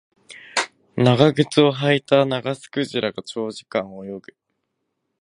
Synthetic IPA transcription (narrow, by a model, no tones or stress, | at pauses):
naɡaɡɯ̟t͡sɨo̞ɦait̪anaɡasɨ̥kɯ̟ʑiɾaɡat͡ɕo̞ːʑikãŋojo̞ɡɯ̟̥